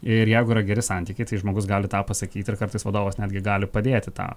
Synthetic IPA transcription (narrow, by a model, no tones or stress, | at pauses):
ɪɾjɛɪɡʊiːɾɐɡʲɛɾʲɪsɐnʲt̪ʲiːkʲɛɪt̪ɐɪʒmoːɡʊs̬ɡɑːlʲɪt̪ɑːpɐsɐkʲiːt̪ɪrkɐɾrt̪ɐɪsʋɐd̪oːʋɐsnʲæːd̪ʲɡʲɪɡɑːlʲɪpɐd̪ʲeːt̪ʲɪt̪ɑ̰ː